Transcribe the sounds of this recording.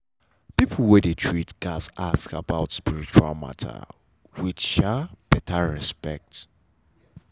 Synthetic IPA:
pipʰl̩ˠwɛdetʰɹitɡ̥asaskabaʊtspiɹit͡ʃua̰lˠma̰tʰa̰ | wiʃab̥ɛtʰaɹɛspɛk̚t

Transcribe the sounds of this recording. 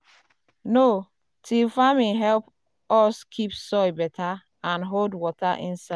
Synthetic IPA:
no | tʰilfamĩɦɛlp | ɔskʰipsɔjbɛtʰa | ãnɦoldwɔtaʔĩnsa

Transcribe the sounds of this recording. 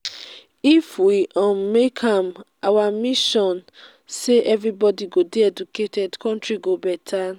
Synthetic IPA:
ifwiʔɔ̃mekʰãmʔawamiʃɔ̃n | seʔɛvɹibɔdiɡodeɛd͡ʒuketʰɛdkɔ̃ntɹiɡobɛtʰa

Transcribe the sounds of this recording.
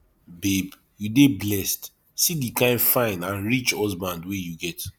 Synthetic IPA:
beb | judeblɛst | sidikãɪ̃nfãɪ̃nãnɹit͡ʃɔzbãndwɛjuɡɛt

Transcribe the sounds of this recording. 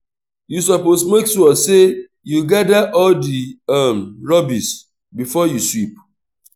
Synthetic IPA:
jusɔposmeksuɔse | juɡadaʔɔldiɛmɹɔbis | bifɔjuswip̚

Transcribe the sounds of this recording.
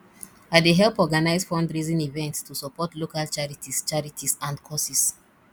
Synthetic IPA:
aɪdeɦɛlˠpɔɡanaɪz̥fɔ̃ndɹizĩnivɛ̃ntstʰusɔpɔtlokalt͡ʃaɹitʰist͡ʃaɹitʰisãndkʰɔsis

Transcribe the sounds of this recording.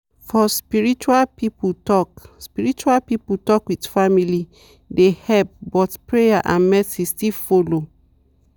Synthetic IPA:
fɔspiɹit͡ʃualpiputɔkspiɹit͡ʃualpiputɔkwidfamili | dehɛlp̚bɔtpɹejaʔãnmɛsistilfolo

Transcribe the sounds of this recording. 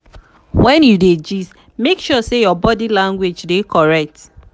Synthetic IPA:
wɛ̃njuded͡ʒiz | mekʃɔsejɔbɔdilãŋɡwed͡ʒdekɔɹɛk̚t

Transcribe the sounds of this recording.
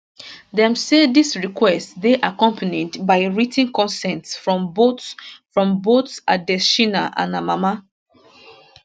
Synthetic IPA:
dɛ̃msedisɹikwɛstdeʔakɔ̃mpʰənidbaɪɹitĩŋkɔ̃nsɛ̃ntsfɹɔ̃mbofɹɔ̃mbotsadɛʃinaʔã̰namama

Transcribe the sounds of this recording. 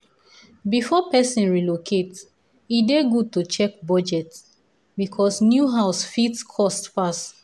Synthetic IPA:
bifɔpɛsĩnɹilokʰets | ideɡud̚tut͡ʃɛk̚bɔd͡ʒɛt | bikʰɔsnjuɦaʊsfitskʰɔstfast

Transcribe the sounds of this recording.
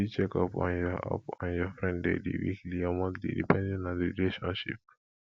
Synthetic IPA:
it͡ʃɛkɔpã̰nd͡ʒɔa̰pãnjɔfɾɛ̃nddɛ̰dḭwḭkliamakdḭdḭpɛ̃ndɛnaɾilɛʃɔ̃nʃḭp̚

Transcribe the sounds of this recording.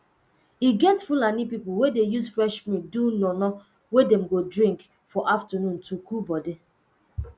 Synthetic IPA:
iɡɛtfulanipipuwedejusfɹɛʃmĩk̚dunɔnɔ | wedɛ̃mɡodɹĩŋk | fɔʔaftənũntukubɔdi

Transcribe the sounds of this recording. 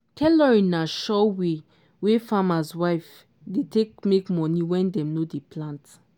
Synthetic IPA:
kʰɛlɔɹĩnːaʃɔwe | wefamaswaɪf | detek̚mekmɔniwɛ̃ndɛ̃mnodeplãnt

